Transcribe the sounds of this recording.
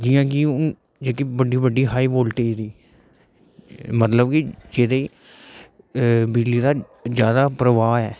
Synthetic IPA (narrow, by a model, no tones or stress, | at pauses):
d͡ʒɪjãːkɪʊ | d͡ʒeːkibəɖiːbəɖiːɦaːiːʋoːlʈiːd̪iː | mət̪ləb̚kɪd͡ʒeːd̪eː | bɪliːd̪aː | d͡ʒjaːd̪aːpɾəʋaːɛː